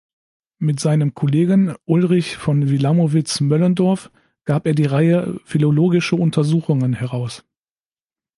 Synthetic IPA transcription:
mɪtz̥aɪnəmkʰɔleːɡənʔʊlʁɪçfɔnvilamovɪt͡smœləndɔɐf | ɡ̥aːpeːɐdiːʁaɪəfiloloːɡɪʃɐʊntʰɐzuːxʊŋənhɛʁaʊs

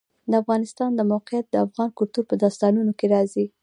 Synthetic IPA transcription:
d̪əafɣɑnɪst̪ɑnd̪əmawqɪjat̪̚d̪əafɣɑnkʊlt̪uɾpəd̪ɑst̪ɑnunokeɾɑzi

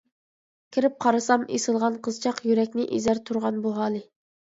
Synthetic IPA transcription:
kʲʰiɾɪp̚qʰɑɾɨsɑmḛsɨlˠʁɑnqʰəzt͡ʃʰɑqjyɾɛkʲnɪʔḭzæɾt̪ʰuɾʁɑnbuɦɑːlˠɨ

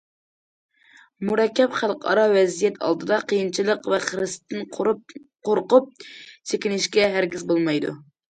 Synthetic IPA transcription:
muɾɛkʲːɛpχælˠqɑ̰ɾɑwɛzijɛt̪ʰɑ̰lˠd̪ɨd̪ɑqʰəjint͡ʃʰilˠəqvɛχəɾɪst̪ʰːɪn | qoɾqʊp̚sekʲinɪʃkʲɛɦæɾɡʲizbolˠmɑjd̪ṵ

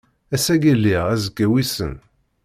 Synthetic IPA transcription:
æsæɡælːiʁæzəkːæwisə̰n

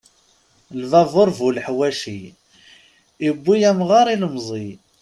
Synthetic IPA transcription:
lvɑvoɾˤvulħwæʃi | ibːijæmʁɑɾˤiləmzˤi

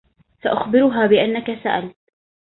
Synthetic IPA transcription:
saʔaxbɪɾʊɦaːbɪʔanːakasaʔalt̪

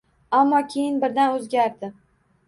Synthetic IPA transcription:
amːɒkʲʰejɪnbɪɾd̪anɵzɡʲaɾd̪ɪ

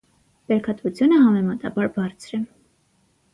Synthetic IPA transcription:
pɛɾkʰɑt̪vut͡sʰjunəɦɑmɛmɑt̪ɑ̰bɑɾbɑɾt͡sʰɾɛ

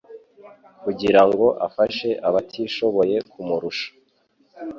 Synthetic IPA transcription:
kuɟiɾaŋɡo̞ʔafaʃe̞ʔaβatʰiʃo̞βo̞je̞kumuɾuʃḁ

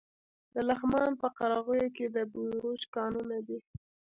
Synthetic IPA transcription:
d̪əlaxmɑnpəqaɾɑɣəjoked̪əbuɾut͡ʃkɑnunad̪i

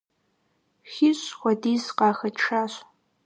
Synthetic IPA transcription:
xiɕxʷɐdiːzqɑːxɐʈ͡ʂʰaːɕ

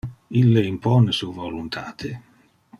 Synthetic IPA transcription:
ilːeimpɔnesuːvolunt̪ʰa̰ːt̪ʰe

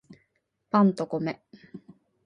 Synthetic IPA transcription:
pɑnt̪okomɛ

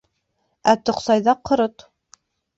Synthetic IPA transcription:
æt̪ŏqsɑjðɑqʰːɤ̆ɾɤt̪

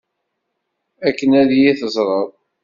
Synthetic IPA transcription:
ækːənæðjiθəzˤɾˤəðˤ

